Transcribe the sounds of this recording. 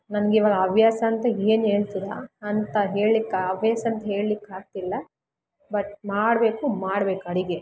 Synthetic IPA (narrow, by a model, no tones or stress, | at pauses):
nɐnɐɡiːʋaːɡɐɐbʱjaːsɐːnt̪ɐeːne̞ːɭt̪id̪ɐ̰ːnt̪ɐɦe̞ːɭlikːaɐbʱjaːsɐɐnt̪ɐɦe̞ːɭlikaːɡ̚t̪ilːɐ | bɐʈmaːɽbe̞ːkumaːɽbe̞ːkɐɽiɡe